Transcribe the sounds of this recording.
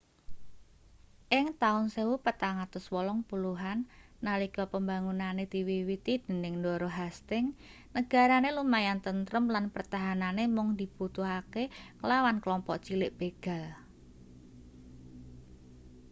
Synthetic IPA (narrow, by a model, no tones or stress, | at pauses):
ʔɪŋt̪aʊnsewupət̪aŋat̪ʊswɔlɔŋpuluɦanːalikɔpəmbaŋunanet̪iwiwit̪id̥ə̤nɪŋndɔɾoɦast̪ɪŋ | nəɡ̥a̤ɾanelumajant̪ənt̪ɾəmlanpərt̪aɦananemʊŋd̪i̤b̥ut̪uɦakekəlawanklɔmpɔʔt͡ʃilɪʔb̥eɡ̥a̤l